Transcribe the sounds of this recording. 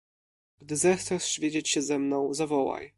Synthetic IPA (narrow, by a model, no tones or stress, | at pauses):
ɡ̥d̪ɘzɛxt̪sɛsɕvʲjed͡ʑet͡ɕɕɛzɛmnɔ̃w̃zavɔwa̰j